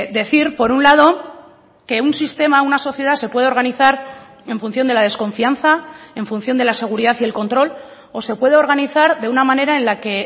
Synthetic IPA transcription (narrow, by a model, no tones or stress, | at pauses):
d̪e̞θiɾpo̞ɾunlað̞o̞ | ke̞unsist̪e̞maunaso̞θje̞ð̞ase̞pwe̞ð̞eo̞ɾɣ̞aniθaɾ | e̞ɱfun̟θjo̞nd̪e̞lað̞e̞skõ̞ɱfianθae̞ɱfun̟θjo̞nd̪e̞lase̞ɣuɾiðaθiðe̞lko̞nt̪ɾo̞l | o̞se̞pwe̞ðeo̞ɾɣ̞aniθaɾðe̞unamãne̞ɾae̞nlake̞